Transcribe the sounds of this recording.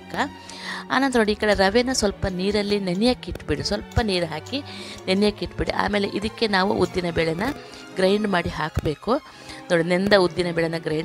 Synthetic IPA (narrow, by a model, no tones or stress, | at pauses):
kːa | a̰ːnɐnt̪ɐɾoːɽiːkɐɽeɾɐʋɛnːɐsʋɐlpɐniːɾɐlːinenjɐkiʈːbiɽisʋɐlpɐniːɾɦaːkinenjɐkiʈbiɽḭʔa̰ːme̞ːleʔid̪ɐkːenaːʋṵʔṵd̪ːinɐbɛːɭɛnɐ | ɡɾɐjɳɖmaːɽiɦaːkbeːku | noːɽinend̪ɐud̪ːjinɐbɛːɭɛnːɐɡɾɐjɳ